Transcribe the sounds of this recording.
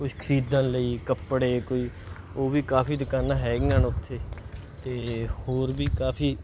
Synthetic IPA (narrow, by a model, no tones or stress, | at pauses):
kʊʃkʰəɾiːd̪ãːnləiːkəpɽeːkoːiː | oːʋiːkaːpʰiːd̪ɪkaːnãːɦɛːɡɪãːnʊt̪ʰːeːt̪eːhoːɾbiːkaːpʰiː